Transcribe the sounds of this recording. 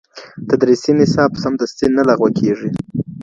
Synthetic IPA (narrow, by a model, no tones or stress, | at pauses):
t̪ad̪ɾisinɪsɑbsamd̪ast̪inalaɣwakʰeʐi